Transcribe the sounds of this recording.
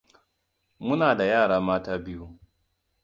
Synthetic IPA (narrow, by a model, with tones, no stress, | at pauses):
mʊ˦naː˨da˨jaː˦˨ɽaː˦maː˦taː˦bɪ˦ju˦